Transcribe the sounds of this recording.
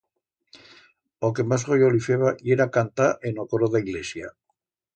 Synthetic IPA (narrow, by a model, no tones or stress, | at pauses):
okemazɣojolifeβajeɾakant̪aʔenokoɾoðaiɣlesja